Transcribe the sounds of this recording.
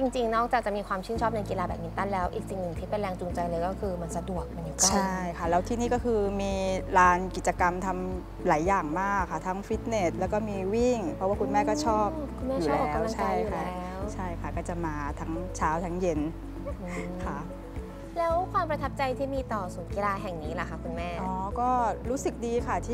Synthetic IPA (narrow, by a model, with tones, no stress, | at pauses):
t͡ɕi˧ŋt͡ɕi˧ŋnɔː˥˩k̚t͡ɕaː˨˩k̚t͡ɕa˨˩miː˧kwaː˧mt͡ɕʰi˥˩nt͡ɕʰɔː˥˩p̚na˧jki˧laː˧bɛ̰ː˨˩p̚mi˧˦nt̪a˥˩nlɛː˦˥wʔḭː˨˩k̚si˨˧˩ŋnɯ˨˩ŋt̪ʰiː˥˩pe˧nɾɛː˧ŋt͡ɕu˧ŋt͡ɕa˧jlɤː˧jkɔː˥˩kʰɯː˧ma˧nsa˧du˨˩ək̚pa˧nju˨˩t͡ɕkat͡ɕːʰa˥˩˥jkʰa˦˥˩lɛː˦˥wt̪ʰiː˥˩niː˥˩kɔː˥˩kʰɯː˧miː˧ɾaː˧nki˨˩t͡ɕa˧ka˧mt̪ʰa˧m | laː˩˦jːaː˨˩ŋmaː˥˩kʰːa˦˥˩t̪ʰa˦˥ŋfi˦˥t̪̚ne˨˩t̪̚lɛː˦˥wkɔː˥˩miː˧wi˥˩ŋpʰɾɔ˦˥waː˥˩ku˧nmɛː˥˩kɔː˥˩t͡ɕʰɔː˥˩p̚kʰu˧mɛː˥juː˨˩˦ɛː˦˧wmla˧t͡ɕʰaa˥˧˥ju˨kʰa˥˩ɛː˦˥wt͡ɕʰa˥˩jkʰa˥˩kɔː˥˩t͡ɕa˨˩maː˧t̪ʰa˦˥ŋt͡ɕʰaː˦˥wt̪ʰa˦˥ŋje˧n˧ | kʰa˦˥˩ʔ | lɛː˦˥wkʰwaː˧mpɾa˧t̪ʰa˦˥p̚t͡ɕa˧jt̪ʰiː˥˩miː˧t̪ɔː˨˩suː˨˩˦nki˧laː˧ɦɛ˨˩ŋniː˦˥la˨˩kʰa˦˥˩kʰu˧nmɛː˥˩ʔɔː˨˩˦kɔː˥˩ɾuː˦˥sɯ˨˩k̚diː˧kʰa˥˩t̪ʰiː˥